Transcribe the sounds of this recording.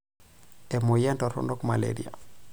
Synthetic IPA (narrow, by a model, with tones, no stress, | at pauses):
ɛ˨mo˨ja˦ntɔ˨ɾɔ̰nɔ˦kma˨lḛɾḭ˦a̰˨